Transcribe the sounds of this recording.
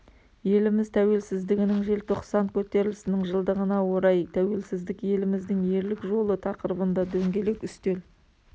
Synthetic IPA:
je̞lɪmɪzt̪ʰæwe̞lsɪzd̪ɪɡʲɪnɪŋʒe̞lt̪ʰo̞qsɑnkʲʰɵt̪e̞ɾɪlɪsɪnɪŋʒəlˠd̪əʁənɑwo̞ɾɑjt̪ʰæwe̞lsɪzd̪ɪkje̞lɪmɪzd̪ɪŋje̞ɾlɪkʒo̞lˠət̪ʰɑqəɾəbənd̪ɑd̪ɵŋɡʲe̞lekʏst̪e̞l

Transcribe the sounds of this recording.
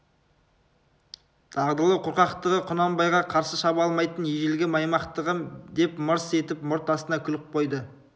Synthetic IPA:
t̪ʰɑʁd̪əlˠəqʰʊɾqɑqt̪əʁəqʰʊnɑmbɑjʁɑqʰɑɾsəʃɑbɑlˠmɑjt̪ənjeʒelɡʲɪmɑjmɑqt̪əʁəd̪e̞pməɾse̞t̪ɪpmʊɾt̪ɑst̪ənɑkʲʰʏlɪk̚qʰo̞jd̪ə

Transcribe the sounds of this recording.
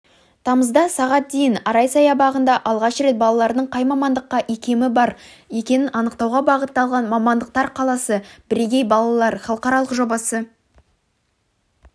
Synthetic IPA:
t̪ʰɑməzd̪ɑsɑʁɑt̪̚d̪e̞jɪnɑɾɑjsɑjɑbɑʁənd̪ɑʔɑlˠʁɑʃəɾe̞t̪̚bɑlˠɑlˠɑɾd̪əɴqʰɑjmɑmɑnd̪əqːɑʔe̞kʲe̞mɪbɑɾ | e̞kʲe̞nɪʔɑnəqt̪ɑwʁɑbɑʁət̪ːɑlˠʁɑnmɑmɑnd̪əq̚t̪ɑɾqʰɑlˠɑsəbɪɾeɡʲe̞jbɑlˠɑlˠɑɾχɑlˠəqɑɾɑlˠəqʒo̞bɑsə

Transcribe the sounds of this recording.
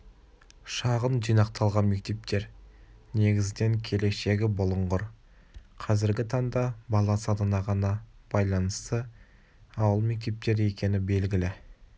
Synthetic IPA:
ʃɑʁənʒijnɑqt̪ʰɑlˠʁɑnme̞k̚t̪e̞p̚t̪ʰe̞ɾne̞ɡʲɪzd̪e̞ŋkʲʰe̞le̞ʃe̞ɡʲɪbʊlˠəɴʁəɾ | qʰɑzɪɾɡʲɪt̪ʰɑɴd̪ɑbɑlˠɑsɑd̪ənɑʁɑnɑb̥ɑjlˠɑnəst̪ə | ɑwəlˠme̞k̚t̪e̞p̚t̪e̞ɾe̞kʲe̞nɪbe̞lɡʲɪlɪ

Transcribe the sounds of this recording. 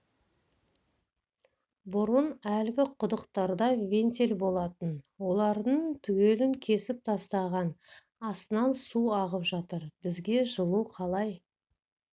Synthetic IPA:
bʊɾənælɡʲɪqʰʊd̪əqt̪ɑɾd̪ɑvʲe̞nt̪elbo̞lˠɑt̪ənwo̞lˠɑɾd̪əɴt̪ʰʏɡʲe̞lɪŋkʲʰe̞sɪp̚t̪ʰɑst̪ɑʁɑn | ɑst̪ənɑnsuɑʁəpʒɑt̪əɾbɪzɡʲe̞ʒəlˠuqʰɑlˠɑj

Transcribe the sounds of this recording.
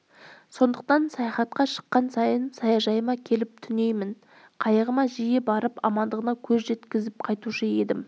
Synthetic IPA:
so̞nd̪əqt̪ɑnsɑjɑχɑt̪̚qɑʃə̥qːɑnsɑjənsɑjɑʒɑjəmɑkʲʰe̞lɪp̚t̪ʰʏne̞jmɪn | qʰɑjəʁəmɑʒijebɑɾəpɑ̰mɑnd̪əʁənɑkʲʰɵzʒe̞t̪kʲɪzɪp̚qʰɑjt̪uʃəe̞d̪ɪm

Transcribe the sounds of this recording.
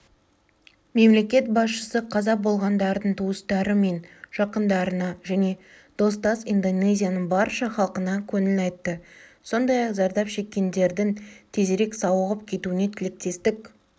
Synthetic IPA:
me̞mle̞kʲe̞t̪̚bɑsʃəsəqʰɑzɑbo̞lˠʁɑnd̪ɑɾd̪əɴt̪ʰuəst̪ɑɾəme̞nʒ̥ɑqənd̪ɑɾənɑʒæne̞ | d̪̥o̞s̬t̪ɑsind̪o̞nejzʲijanəɴbɑɾʃɑχɑlˠqənɑkʲʰɵnɪlɑjt̪ːəso̞nd̪ɑjɑqzɑɾd̪ɑpʃe̞kʲːe̞nd̪e̞ɾd̪ɪŋt̪ʰe̞zeɾe̞ksɑwəʁəp̚kʲʰe̞t̪uɪne̞t̪ʰɪlɪk̚t̪e̞st̪ɪk

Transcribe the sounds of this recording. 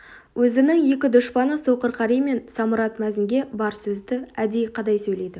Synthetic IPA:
wʔɵzɪnɪŋje̞kʲɪd̪ʊʃpɑnəsowqəɾqʰɑɾijme̞nsɑmʊɾɑt̪mæzɪŋɡʲe̞bɑɾsɵzd̪ɪæd̪e̞jqʰɑd̪ɑjsɵjle̞jd̪ɪ

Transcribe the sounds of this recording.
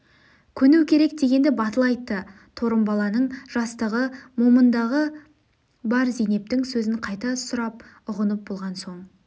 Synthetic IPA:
kʲʰɵnʉwkʲʰe̞ɾe̞k̚d̪e̞ɡʲe̞nd̪ɪbɑt̪əlˠɑjt̪ːə | t̪ʰo̞ɾəmbɑlˠɑnəɴʒ̥ɑst̪əʁəmo̞mənd̪ɑʁə | bɑɾzijne̞p̚t̪ɪŋsɵzɪɴqʰɑjt̪ɑsʊɾɑp̚ | ʊʁənəp̚bo̞lˠʁɑnso̞ɴ

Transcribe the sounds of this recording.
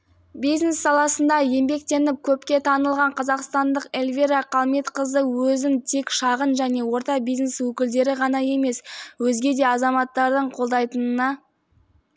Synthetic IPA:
bijzne̞sːɑlˠɑsənd̪ɑje̞mbe̞k̚t̪e̞nɪp̚kʲʰɵpkʲe̞t̪ʰɑnəlˠʁɑɴqʰɑzɑqst̪ɑnd̪əqelʲvʲiɾɑqʰɑlˠme̞t̪qəzəwɵzɪnt̪ʰe̞kʃɑʁənʒæne̞wo̞ɾt̪ɑbijzne̞swɵkʲɪld̪e̞ɾɪʁɑnɑje̞me̞swɵzɡʲe̞d̪e̞ɑzɑmɑt̪ːɑɾd̪əɴqʰolˠd̪ɑjt̪ənənɑ

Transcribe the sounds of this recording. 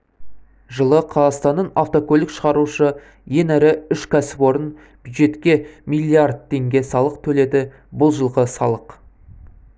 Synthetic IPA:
ʒəlˠəqʰɑzɑst̪ɑnːənaft̪okʲʰɵlʲɪkʃəʁɑɾuʃə | je̞næɾɪʏʃkʲʰæsɪ̥pwo̞ɾən | b̥ʲjud̪ʒe̞t̪kʲe̞mijlʲiard̪̚t̪ʰːe̞ŋɡʲe̞sɑlˠəq̚t̪ʰɵle̞d̪ɪ | bʊlˠʒəlˠʁəsɑlˠəq

